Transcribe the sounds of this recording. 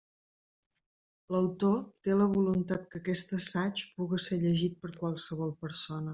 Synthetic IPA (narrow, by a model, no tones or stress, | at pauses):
ləwt̪ot̪eləβulunt̪at̪̚kəkɛst̪əsat͡ʃpuɣəseʎəʒit̪̚pəɾkwalˠsəβɔlˠpəɾsonə